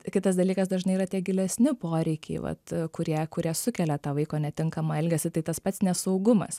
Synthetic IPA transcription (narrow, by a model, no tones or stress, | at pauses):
kʲɪt̪ɐsd̪ɐlʲiːkɐsd̪ɐʒnɐɪiːrɐt̪ʲiɛɡʲɪlʲɛsʲnʲɪpoːɾʲɛɪkʲɛ̰ɪʋɐ̰t̪kʊɾʲiɛkʊɾʲiɛsʊkʲɛlʲɛt̪ɑːʋɐɪkoːnʲɛt̪ʲɪŋkɐmɐɛlʲɡʲɛsʲɪt̪ɐɪt̪ɐspɐt̪snʲɛsɐʊɡʊmɐ̰s